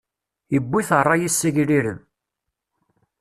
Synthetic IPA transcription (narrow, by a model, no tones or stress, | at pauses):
jəbːiθrˤːɑjisːæʝliɾəm